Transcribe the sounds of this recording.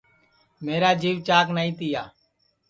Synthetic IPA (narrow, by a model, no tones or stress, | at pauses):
meːɾaːd͡ʒiːʋt͡ʃaːknaːĩːt̪ɪːjaː